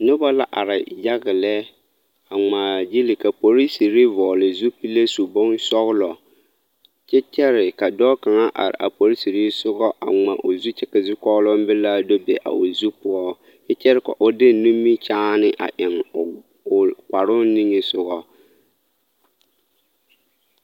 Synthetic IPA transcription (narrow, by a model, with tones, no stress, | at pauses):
nʊ˦bɔ˦la˦ʔa̰˨ɾɪ˨ja˦ɣɪ˨lɛ˦ | a˨ŋ͡maː˨d͡ʒi˦li˨ka˨po˨ɾi˦si˨ɾi˦vɔː˨lɪ˨zu˦pi˦le˦su˨bɔ˦nsɔ˦ɣlɔ˨ | t͡ʃɛ˦t͡ʃɛ˦ɾɪ˨ka˨dɔ˦ka˨ŋa˦ʔa̰˨ɾɪ̰˨ʔa̰˨po˨ɾi˦si˨ɾi˦sʊ˦ɣɔ˦ʔa̰˨ŋa˨ʔo˨zu˦t͡ʃɛ˦kɛ˨zu˦kɔ˦lɔ˦m˦bɪ˦la˦do˦bɛ˨ʔa̰˨o˨zu˦pʊ˦ɔ˦ | ɪ˦t͡ʃɛ˦ɾka̰˨ʔʊ˦dɪ˦n˨˦nu˦mːi˦t͡ʃaː˦nɪ˦ʔa̰˨ʔɪ˨ŋ˨ | kʷa˨ɾʊ˦ni˦ŋe˨sʊ˦ɣɔ˦